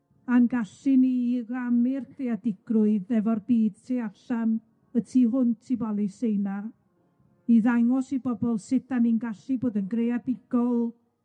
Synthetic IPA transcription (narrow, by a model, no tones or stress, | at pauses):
anɡaɬiniːɡamɪrθeadɪɡ̥rʊɨðɛvɔrbiːd̥tʰeaɬan | ətʰiːɦʊntʰibalˠisejna | iðaŋɔsibɔbɔlˠsɪtaninɡaɬiboːdənɡrejabɪɡ̥ɔlˠ